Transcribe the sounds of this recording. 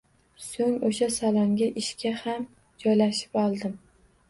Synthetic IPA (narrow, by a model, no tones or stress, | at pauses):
soŋoʃasalˠɒŋɡʲaʔɪʃkʲʰaham | d͡ʒɒjlaʃɪ̥pɒlˠd̪ɪm